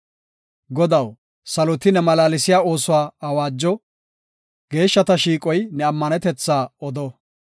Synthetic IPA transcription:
ɡɔd̪ɐw | sɐlɔt̪ɪnɛmɐlaːlɪsɪjaːo̞ːsʊwaːɐwaːd͡ʒːɔ | ɡ̥e̞ːʃːɐt̪ɐʃiːkʼɔjnɛɐmːɐnɛt̪ɛt͡sːaːɔd̪ɔ

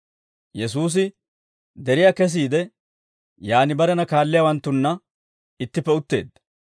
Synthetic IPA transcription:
jɛs̬uːs̬ɪ | d̪ɛɾɪjaːkɛs̬iːd̪ɛ | jaːnɪbɐɾɛnɐkaːlːɪjawɐnt̪ːʊnːɐ | ɪt̪ːɪpːɛʊt̪ːe̞̰ːd̪ːɐ̥

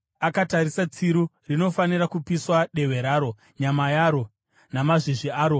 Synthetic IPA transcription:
akatarisat͡siɾu | rino̞faniɾakupiswaɗe̞we̞ɾaːɾo̞ | ɲamajaːɾo̞ | namaʐiʐiaːɾo̞

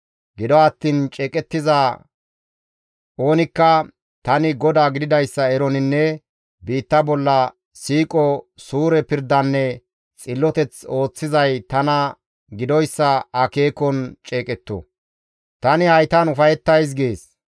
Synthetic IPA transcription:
ɡɪd̪ɔɐt̪ːiːnt͡ʃʼɛːkʼɛt̪ːɪzaː | ʔo̞ːnɪkːɐ | t̪ɐnɪɡɔd̪aːɡɪd̪ɪd̪ɐjsːɐɛɾɔnɪnːɛ | biːt̪ːɐbɔlːɐ | siːkʼɔsuːɾɛpɪɾd̪ɐnːɛ | t͡sʼɪlːɔt̪ɛt͡so̞ːt͡sːɪzɐjt̪ɐnɐ | ɡɪd̪ɔjsːɐɐke̞ːkɔnt͡ʃʼeːkʼɛt̪ːɔ̰ | t̪ɐnɪhɐjt̪ɐnʊfɐjɛt̪ːɐjs̬ɡeːs

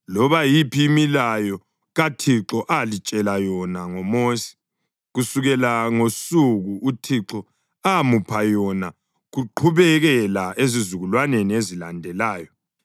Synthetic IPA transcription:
lɔβajipʰiːmilajɔ | ɣatʰiǁɔʔalit͡ʃʼɛlajɔnaŋɔmoːsi̥ | ɣusuɣɛlaŋosuɣuʔutʰiǁɔ | amupʰajɔna | ɣuǃʰuβɛɣɛlaʔezizuɣulwaneniezilandʱɛlaːjɔ

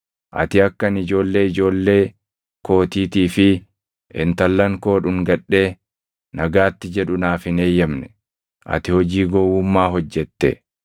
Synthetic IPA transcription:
ʔɐ̰t̪ɪɐkːɐnɪd͡ʒo̞ːlːe̞ːɪd͡ʒo̞ːlːe̞ː | ko̞ːt̪iːt̪iːfɪ | ʔɪ̰nt̪ɐlːɐŋko̞ːᶑʊŋɡɐᶑe̞ː | nɐɡaːt̪ːɪd͡ʒɛᶑʊnaːfɪne̞ːjːɐmnɛ | ʔɐ̰t̪ɪhɔd͡ʒiːɡɔwːʊmːaːɦɔd͡ʒːɛt̪ːɛ̰

